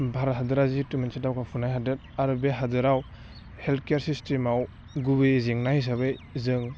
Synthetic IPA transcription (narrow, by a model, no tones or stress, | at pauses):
bʱaɾɦadɯɾazitumensitawkʰapʰunajɦadɯɾ | aɾbeɦadɯɾaw | heltʰkjeɾsistemaw | ɡubeziŋnahis̬aβɯjzɯŋ